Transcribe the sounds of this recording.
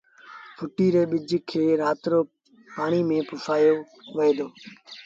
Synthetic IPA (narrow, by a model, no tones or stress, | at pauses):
pʰʊʈiːɾeːɓɪd͡ʒkʰeːɾaːt̪ɾoː | paːɳ̃iːmẽːpʊsaːjoː | ʋəeːd̪oː